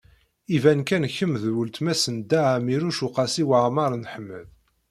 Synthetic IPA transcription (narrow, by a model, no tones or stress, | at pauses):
ivænkænçːəmðwəlt̪mæsənd̪æʕamiɾuʃuqɑsiwaʕmɑɾˤnħəmːə̰ð